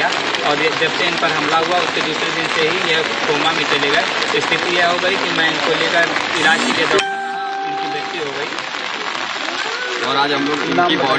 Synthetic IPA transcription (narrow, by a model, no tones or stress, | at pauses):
a | ɔːɾd͡ʒɐbseɪnpɐɾɦɐmlaɦuaʊsked̪uːsɾed̪ɪnseɦije | koːmamẽt͡ʃɐleɡɐet̪oɪsp̪ipijɛɦoɡɐikimɛ̃ɪnkoleːɡaɪɾaːnkiked̪ʱo | ɪnkibɪt̪iɦoɡɐiː | ɔːɾaːd͡ʒɦɐmloɪniɔː